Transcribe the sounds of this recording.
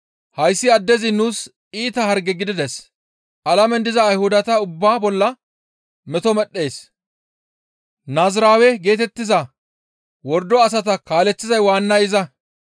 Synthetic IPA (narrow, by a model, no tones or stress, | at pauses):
hɐjsːɪɐd̪ːɛzɪnuːs | iːt̪ɐhɐɾɡɛɡɪd̪ɪd̪ɛs | ʔɐlɐmɛnd̪ɪzɐːjhʊd̪ɐt̪ɐʊbːaːbɔlːɐ | mɛt̪ɔmɛɗːe̞ːs | naːzɾaːwɛɡe̞ːt̪ɛt̪ːɪzɐ | wɔɾd̪ɔɐs̬ɐt̪ɐkaːlɛt͡sːɪzɐjwaːnːɐjɪzɐ